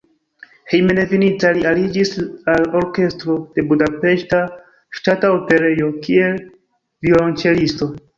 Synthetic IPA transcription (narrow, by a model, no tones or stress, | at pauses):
he̞jmenevinit͡salialid͡ʒisalo̞ɾke̞stɾo̞d̥e̞budape̞ʃta | ʃtataope̞ɾe̞jo̞kie̞l | vilont͡ʃe̞listo̞